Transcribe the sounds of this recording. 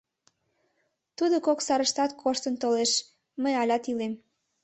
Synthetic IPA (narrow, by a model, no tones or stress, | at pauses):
t̪ud̪okoksɑɾəʃt̪ɑt̪kʰoʃt̪ənt̪oleʃ | məjɑlʲɑt̪ilem